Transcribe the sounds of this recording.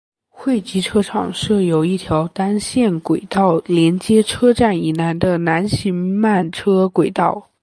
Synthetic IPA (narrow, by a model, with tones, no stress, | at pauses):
xwe˥˩ɪt͡ɕi˧˥ʈ͡ʂʰɤ˥ʈ͡ʂʰɑ̰˨˩ŋʂɤ˥˩jo˨˩ʊi˥˩t̪ʰjɑ˧˥ʊt̪a˥nɕjɛ˥˩nkwe˨˩ɪt̪ɑ˥˩ʊljɛ˧˥nt͡ɕjɛ˥ʈ͡ʂʰɤ˥ʈ͡ʂa˥˩ni˨˩na˧˥nd̪ə˧na˧˥nɕi˧˥ŋma˥˩nʈ͡ʂʰɤ˥kwe˨˩ɪt̪ɑ˥˩ʊ